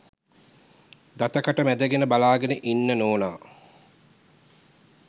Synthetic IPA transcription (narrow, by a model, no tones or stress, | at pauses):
d̪at̪əkaʈəmæd̪əɡenəbalaːɡenəʔinːənoːnaː